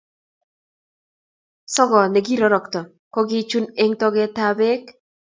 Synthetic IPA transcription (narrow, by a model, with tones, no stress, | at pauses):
sɔ˦ɡɔ˨ne˨ɡi˦ɾɔ˨˦ɾɔ˨kt̪ɔ˨ | kɔ˦ɡɪ˦t͡ʃu˦ne˦ŋtɔ˦ɡɛ˦ta˦be˦k